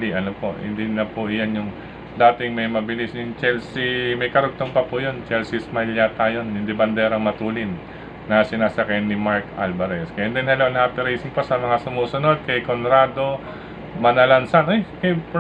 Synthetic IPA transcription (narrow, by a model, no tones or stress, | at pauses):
liʔɐnopo̞ʔhɪ̰nd̪inɐpʊʔɪjanjʊŋ | d̪aːt̪ɪŋmɐjmɐbɪlisnʊŋt͡ʃɛlsimɐjkɐɾʊɡ̚t̪oŋpɐpʊjo̞nt͡ʃɛlsismaljat̪ajonhɪnd̪ibɐnd̪ɛɾɐŋmɐt̪uːlɪnː | ɐsɪnaːsɐkajnɪmaɹkalbɐɾɛskɐjɛnd̪ɛnhɐlonhaːpɪɾejsɪŋposɐmɐŋasʊmuːsono̞d̪̚kɐjkonɾaːd̪o̞ | mɐnɐlɐnsanʔojkɐjp